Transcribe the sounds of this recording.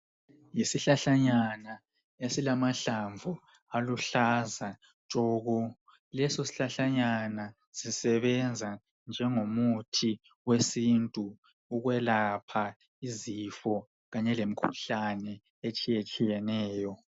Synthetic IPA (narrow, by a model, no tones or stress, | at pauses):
jisiɬaɬaɲana | esilamaɬaɱvʱu | aluɬazḁ | t͡ʃʼɔːɣɔ | lɛsosi̥ɬaɬaɲana | z̥isɛβɛnd͡zʱa | nd͡ʒʱɛŋomutʰi | wesintʼu | uɣwɛlapʰa | izifɔ | ɣaɲɛlem̩kʰuɬanɛ | et͡ʃʼijet͡ʃʼijɛnɛːjɔ